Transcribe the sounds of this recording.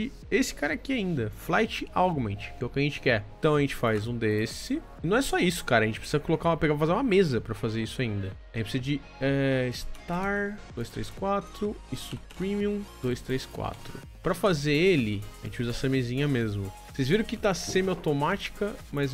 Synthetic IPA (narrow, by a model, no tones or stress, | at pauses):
ɪ | esɪ̥kaɾɐakiaĩnd̪ɐflajt͡ʃɪawɡmẽt͡ʃɪ̥kɛwkɪɐʒẽnt͡ʃɪ̥kɛt̪ɐ̃w̃ɐʒẽnt͡ʃɪ̥fajzũd̪esɪ | nɐ̃w̃ɛsɔisʊ̥kaɾɐʒẽt͡ʃɪpɾsizɐkolokauɐpeɡapɐfazeɾũmɐmezɐpɾɐfazeɾisʊaĩnd̪ɐɐʒẽt͡ʃpsizɐd͡ʒɪ | ɛɪst̪aɾd̪ojst̪ɾejskwat̪ɾʊɪsupɾĩmiũd̪̥ojst̪ɾejskwa̰t̪ɾʊ | pɾɐfazeelɪaʒḛ̃t͡ʃɪuzɐɛsɐmezĩɲɐmezmʊ | sejzviɾɐ̃w̃kɪt̪asẽmɪawt̪omat͡ʃi̥kɐmɐz